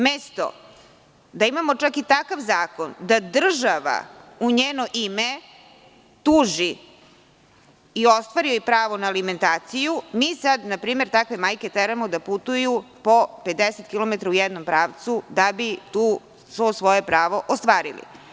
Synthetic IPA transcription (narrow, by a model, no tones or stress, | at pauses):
mest̪o̰ | d̪aimamo̞t͡ʂakit̪akaʋzaːko̞nd̪ad̪r̩ʒaʋa̰uɲeːno̞ʔime | t̪uːʒi | io̞st̪ʋaːɾioipɾaːʋo̞naːliment̪aːt̪sijumiːsad̪napɾiːme̞ɾt̪akʋe̞maːjke̞t̪eɾamod̪aput̪ujupo̞pe̞d̪eset̪kilˠo̞met̪ɾaujɛd̪nompɾaːʋt̪sud̪abit̪uː | sosʋo̞je̞pɾaːʋo̞ʔost̪ʋaːɾḭlḭ